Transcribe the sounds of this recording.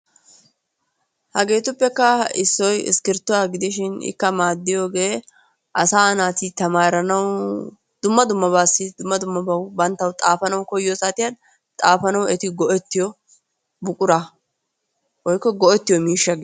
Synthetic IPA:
hɐɡe̞ːt̪ʊpːɛkːɐɪsːɔjɪ̰skɪɾt̪ːʊwaːɡɪd̪ɪʃɪnɪ̰kːɐmaːd̪ːɪjo̞ːɡe̞ː | ʔɐsaːnaːt̪ɪt̪ɐmaːɾɐnɐw | d̪̥ʊmːɐd̪ʊmːɐbaːsːɪd̪ʊmːɐd̪ʊmːɐbɐwbɐnt̪ːɐwt̪ʼaːfɐnɐwkɔjːɔsat̪ɪjad̪ | t̪ʼaːfɐnɐwɛt̪ɪɡɔʔɛt̪ːɪjɔ | bʊkʼʊɾa | wɔjkːɔɡɔʔɛt̪ːɪjɔmiːʃːɐɡ

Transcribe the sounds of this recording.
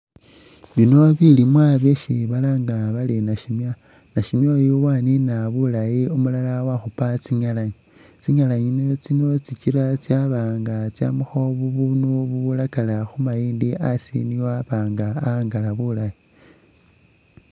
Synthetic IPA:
βino̞βilimwaːβeʃiβalaŋɡaβalenaʃimja | naʃimjojowaninaβulajiumulalawaxupat͡siɲalaɲi | t͡siɲalaɲinot͡sino̞t͡sit͡ʃiɾat͡sjaβaːŋɡat͡sja̰muxo̞βuβunuβuβulakalaxumajiːndiʔasḭniwaβaːŋɡaːŋɡalaβulaji

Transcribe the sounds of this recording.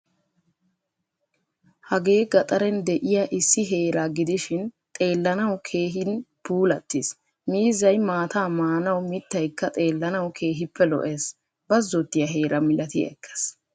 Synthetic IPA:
hɐɡe̞ːɡɐt̪ʼɐɾɛnd̪ɛʔɪjaʔɪsːɪɦe̞ːɾaːɡɪd̪ɪʃɪnt̪ʼe̞ːlːɐnɐwkʰe̞ːɦɪnbuːlɐt̪ːɪs | miːzɐjmaːt̪aːmaːnɐwmɪt̪ːɐjkːɐt̪ʼe̞ːlːɐnɐwkʰe̞ːɦɪpːɛlɔ̰ʔeːs | bɐzːɔt̪ːɪjɐɦe̞ːɾʔɐmɪlɐt̪ɪ̰ɛ̰kʰːe̥s

